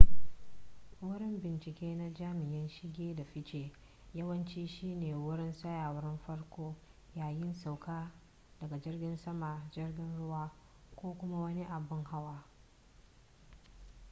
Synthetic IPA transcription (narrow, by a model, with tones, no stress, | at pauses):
wʊ˦ɾɪ˦mbɪ˨nt͡ʃɪ˨kʲeː˦na˦d͡ʒaː˦mɪ˨jɪ˦nʃɪ˦ɡʲeː˦da˨ɸɪ˦t͡ʃeː˨ | jɐ˦wɐ˦nt͡ʃiː˦ʃiː˦neː˨wʊ˦ɽɪ˦nsɐ˦jaː˨wɾɪ˦mɸɐ˦ɽkʷoː˦ | jaː˨jɪ˦nsa˨wkʰaː˦ | dɐ˨ɡa˨d͡ʒɪ˦rɡʲɪ˦nsɐ˦ma˨d͡ʒɪ˦rɡʲɪ˦nɽʊ˦waː˦ | kʷoː˦kʷʊ˦ma˦wɐ˦ni˦ʔa˨bɪ˦ŋha˦waː˦